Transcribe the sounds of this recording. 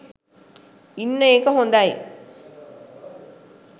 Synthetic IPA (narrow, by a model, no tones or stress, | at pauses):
inːɐeːkɐɦond̪aji